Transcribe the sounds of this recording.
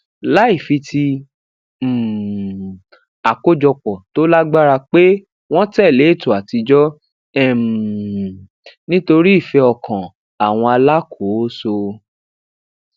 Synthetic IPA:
la˨˦i˦˨fi˧ti˧˨ | a˨ko˦d͡ʒɔ˧k͡pɔ˨to˦la˦ɡ͡ba˦ɾa˧k͡pe˦ | w̃ɔ̃˦tɛ˦˨le˨˦˨to˨a˨ti˧d͡ʒɔ˦ | ɛ˦˨ | nĩ˦to˧ɾi˦i˦˨fɛ˧ɔ˧kã˨ | a˨w̃ɔ̃˧a˧la˦kʰo˨˦so˧

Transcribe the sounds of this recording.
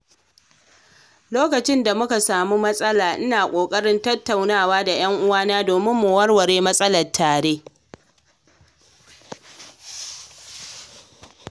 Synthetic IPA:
loː˦kɐ˨t͡ʃɪ˦nda˨mʊ˦ka˨saː˨mu˦mɐ˦sʼɐ˦laː˨ʔɪ˦naː˨kʷʼoː˨kʼɐ˦ɽɪ˦ntɐ˦tːa˨wnaː˦˨waː˦da˨j̰ɐ˦ŋʔʊ˦waː˦naː˦doː˨mɪ˦mːu˨wɐ˦rwɐ˨ɽeː˦mɐ˦sʼɐ˦lɐ˨tʰːaː˨ɽeː˦

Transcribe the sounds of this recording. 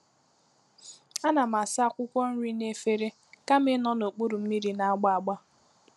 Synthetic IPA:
a˦na˨ma˨sa˦kʷʊ˦kʷɔ˦n̩˦ɾi˦ne˦fe˦ɾe˦ | ka˦mɪ˦nɔ˦no˨k͡pu˦ɾu˨m̩˦mi˦ɾi˨na˨a˦ɡ͡ba˦a˨ɡ͡ba˦

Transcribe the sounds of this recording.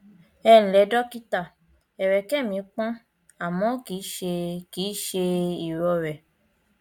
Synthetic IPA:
ɛ˧n̩˨lɛ˨˦dɔ˦ki˦ta˦˨ | ɛ˨ɾɛ˨kɛ˦˨mĩ˨˦k͡pɔ̃˦ | a˨mɔ̃˨˦ki˨˦ʃe˧ki˨˦ʃe˧i˨ɾɔ˧ɾɛ˨

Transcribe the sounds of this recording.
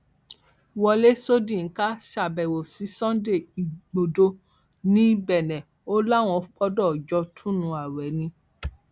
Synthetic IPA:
wɔ˧le˦so˦dĩ˦˨˦ka˦ʃa˨bɛ˨wo˨si˨˦sɔ̃˦de˦˨i˨ɡ͡bo˨do˧ | nĩ˦bɛ˨nɛ̃˨ | o˦la˦˨w̃ɔ̃˧fk͡pɔ˦dɔ˦˨d͡ʒɔ˧tʰũ˦nũ˧a˨wɛ˨˦nĩ˧

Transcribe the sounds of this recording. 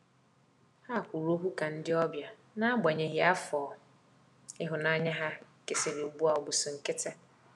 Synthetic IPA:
ha˦˨kʷu˨ɾo˦ɦu˦ka˨n̩˦dɪ˦ɔ˦bja˨ | nã˦ba˨ɲɛ̃˨ɦi˨a˦fɔː˨ | ɪ˦ɦʊ˨nã˦ɲɛ̃˦ɦa˦ | ke˨se˨lɪ˨bu˦a˨ɔ˨bʊ˨sʊ˨ŋ̩˨kɪ˦tʰa˦

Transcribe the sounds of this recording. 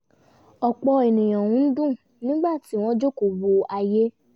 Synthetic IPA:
ɔ˨k͡pɔ˧e˨nĩ˨j̃ã˨wũ˨˦n̩˦dũ˦˨ | nĩ˦ɡ͡ba˦˨ti˨˦w̃ɔ̃˦d͡ʒo˦ku˨wu˨a˧je˦

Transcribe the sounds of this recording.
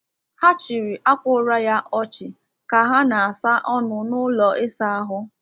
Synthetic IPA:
ha˦t͡ʃi˨ɾi˨ʔa˦kʷʊ˦ɾa˦ja˦ʔɔ˦t͡ʃɪ˨ | ka˨ɦa˦na˨a˨sa˦ʔɔ˦nʊ˨nʊ˦lɔ˨ʔe˦sa˦a˦ɦʊ˦

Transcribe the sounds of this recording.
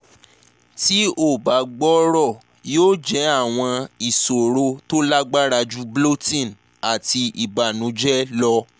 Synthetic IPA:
ti˨˦o˦˨ba˨˦ɡ͡bɔ˦ɾɔ˦˨ | joː˦d͡ʒɛ˨˦a˦˨w̃ɔ̃˧i˨so˨ɾo˧to˦la˦ɡ͡ba˦ɾa˧d͡ʒu˦blo˦tĩ˦˨n | a˨ti˧i˨ba˨nũ˨˦d͡ʒɛ˦lɔ˧

